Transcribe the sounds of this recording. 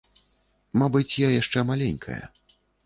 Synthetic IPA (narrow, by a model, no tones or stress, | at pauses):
mabɨt͡sʲjajaʂt͡ʂɛmalʲenʲkʰɐ̰jɐ̰